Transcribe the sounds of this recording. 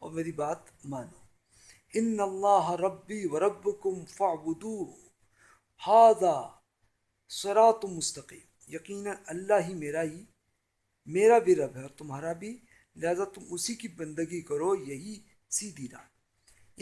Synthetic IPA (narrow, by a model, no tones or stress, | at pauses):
ɔ̰ːɾmeːɾibaːt̪ | maːnoː | ɪnːɐlˤːaːɦɐɾɐbːiːwɐɾˤɐbːʊkʊmfɐʕbʊd̪uːʊ | haːðaː | sɪɾaːt̪mʊst̪ɐqiːm | jɐqiːnɐnɐlːaɦimeːɾaɦi | meːɾabʱiɾɐbɦɛɔɾt̪ʊmɦaːɾabʱi | lɪɦaːzat̪ʊmʊsikibɐ̃nd̪əɡikɐɾojɐɦi | siːd̪iːɾa̰ː